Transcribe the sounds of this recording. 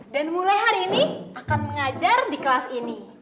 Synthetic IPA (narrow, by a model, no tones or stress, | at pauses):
danmulajɦaɾiːniʔakanməŋad͡ʒardikəlasini